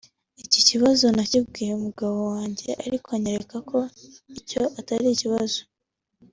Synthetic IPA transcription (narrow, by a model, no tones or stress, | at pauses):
iciciβazo̞nacibɡiːjeumuɡaβowaːɲɟe̞ʔa̰ɾikwaɲeɾekako̞ico̞ʔataɾiciβazo̞